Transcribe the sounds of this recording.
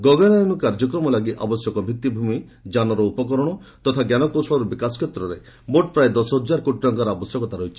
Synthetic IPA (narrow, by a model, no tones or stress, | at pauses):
ɡɔɡalanukaɾd͡ʒɔkɾɔmɔlaɡiʔabɔsjɔkɔbʱit̪ːibʱumi | d͡ʒanɔɾɔupɔkɔɾɔɽ̃ɔt̪ɔt̪ʰaɡjanɔkosɔɭɔɾubikaskʰet̪ːɾɔɾe | moʈpɾaed̪ɔsɔɦɔd͡ʒaɾkoʈiɾɔŋkaɾɔabɔsjɔkɔt̪aɾɔjt͡ʃʰi̥